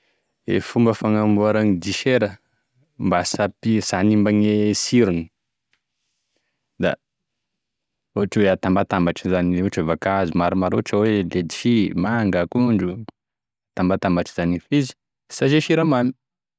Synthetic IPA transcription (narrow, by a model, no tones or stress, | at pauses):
ḛfumbəfaŋambuaɾaŋid̪iʃeɾə | mbasapisanimbaŋesiɾuni | d̪a̰ | uʈ͡ʂweat̪ambat̪ambaʈ͡ʂizaniuʈ͡ʂəvakazumaɾimaɾoʈ͡ʂəweled̪iʃimaŋɡakuɳɖ͡ʐu | at̪ambat̪ambaʈ͡ʂi̥zanifizi̥ | saʃeʃiɾamami̥